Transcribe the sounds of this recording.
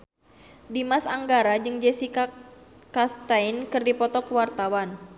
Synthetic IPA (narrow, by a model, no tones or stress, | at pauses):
dimasaŋɡaɾad͡ʒɨŋd͡ʒesikakast̪ainkɨrdipɔt̪ɔkəwart̪awan